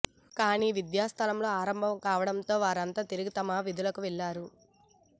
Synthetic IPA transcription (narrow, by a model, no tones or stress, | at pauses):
kaːniːʋid̪jaːst̪ʰɐlɐmlo̞ːaːɾɐmbʱɐmkaːʋɐɽɐmt̪o̞ːʋaːɾɐnt̪aːt̪iɾiɡit̪ɐmɐʋid̪ʱulɐkuʋɛɭːaːɾu